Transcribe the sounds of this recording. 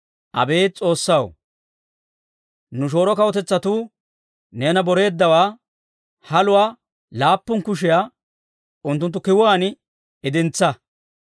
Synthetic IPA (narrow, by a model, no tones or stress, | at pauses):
ʔɐ̰be̞ːt͡sʼo̞ːsːɐw | nʊʃ̬o̞ːɾɔkɐwɔt̪ɛt͡sːɐt̪uː | neːnɐbɔɾe̞ːd̪ːɐwaː | hɐlʊwaː | laːpːʊnkʊʃ̬ɪjaː | ʔʊnt̪ːʊnt̪̬ːʊkɪwʊwaːnɪ | ɪd̪ɪnt͡sːɐ